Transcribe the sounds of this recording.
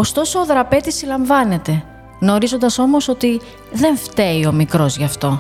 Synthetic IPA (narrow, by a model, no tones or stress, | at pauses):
o̞st̪o̞so̞ːðɾɐpe̞t̪isːilɐɱvɐne̞t̪e̞ | no̞ɾizo̞nd̪ɐso̞mo̞so̞t̪i | ðe̞ɱft̪e̞io̞mikɾo̞zʝɐft̪o̞